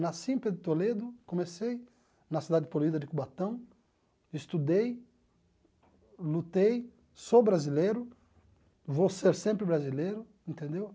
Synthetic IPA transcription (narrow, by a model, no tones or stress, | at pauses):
nasĩped̪ʊt̪oled̪ʊkõmesej | nɐsid̪ad͡ʒ̪ɪpoluid̪ɐd͡ʒ̪ɪkubat̪ɐ̃w̃ | ɪst̪ud̪ej | lut̪ej | sobɾazileɾʊ | vowseɾsẽmpɾɪbɾazilejɾʊ | ẽnt̪ẽnd̪ew